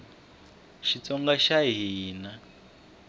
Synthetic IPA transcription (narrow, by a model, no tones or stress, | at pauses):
ʃit͡sɔŋɡaʃaɦiːna